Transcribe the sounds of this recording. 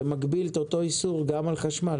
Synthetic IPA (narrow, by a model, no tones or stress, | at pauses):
maɡbilet̪ot̪o̞isuʁɡamalχaʃmal